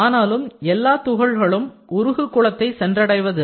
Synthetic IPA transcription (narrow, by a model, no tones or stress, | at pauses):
aːnaːlɯmɛlːaːt̪ʊɣɐɭɣɐɭɯm | ʊɾʊɣɯkːʊɭɐt̪ːɐɪsɛndrɐɽɐɪʋɐðɯ